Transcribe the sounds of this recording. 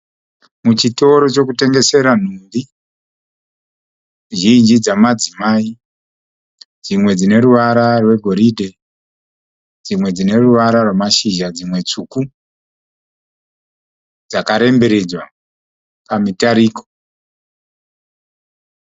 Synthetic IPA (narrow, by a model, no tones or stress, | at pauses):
mut͡ʃito̞ɾo̞t͡ʃo̞kute̞ŋɡe̞se̞ɾan̤uri | ʒind͡ʒid͡zamad͡zimaːi | d͡zimwe̞d͡zine̞ɾuʋaɾarwe̞ɡʱo̞ɾidʱe | d͡zimwe̞d͡zine̞ruʋaɾarwemaʃiʒad͡zimwe̞t͡suːku | d͡zakaɾe̞mbeɾe̞d͡zwa | pamitaɾiko